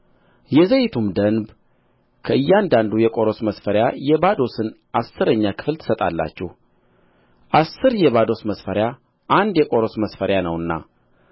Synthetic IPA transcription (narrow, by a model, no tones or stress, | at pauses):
jɛzəjɪt̪ʰumd̪ənb | kʰəʔɨjːand̪and̪ujɛkʼo̞ɾo̞sməsfəɾjajɛbad̪o̞sɨnʔasːɨɾəɲːakʰɨ̥flt̪ʰɨ̥sət̪ʼa̰lːa̰t͡ʃːɛh | ʔasːɨɾjɛβad̪o̞sməsfəɾja | ʔand̪jɛkʼo̞ɾo̞sməsfəɾjanəwɨnːa̰